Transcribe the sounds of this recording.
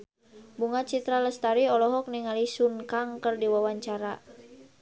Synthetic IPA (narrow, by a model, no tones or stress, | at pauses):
buŋat͡ʃit̪ɾaləst̪aɾiɔlɔɦɔk̚niŋalisunkaŋkərdiwawaɲt͡ʃaɾa